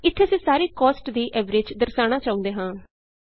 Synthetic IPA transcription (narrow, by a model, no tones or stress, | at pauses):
ɪt̪ʰːeːsĩːsaːɾeːkɔːsʈd̪iːʔɛːʋɾeːd͡ʒd̪əɾsaːɽ̃aːt͡ʃaːũnd̪eːɦãː